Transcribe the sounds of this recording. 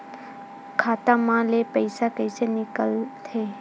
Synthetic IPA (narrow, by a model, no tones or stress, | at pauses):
kʰaːt̪amãlepəɪsakəɪsenɪkəlt̪ʰeː